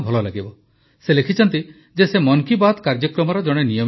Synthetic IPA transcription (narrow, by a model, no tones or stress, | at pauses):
bʱɔlɔlaɡibɔ | selekʰit͡ʃʰɔnt̪i | d͡ʒesemɔŋkibad̪kaɾd͡ʒɔkɾɔmɔɾɔd͡ʒɔɽ̃enijɔm